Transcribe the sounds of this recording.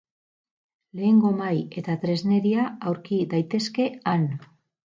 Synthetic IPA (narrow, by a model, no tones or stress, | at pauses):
le̞ːŋɡo̞maje̞t̪at̪ɾe̞zne̞ɾiaawɾkiðajt̪e̞ske̞an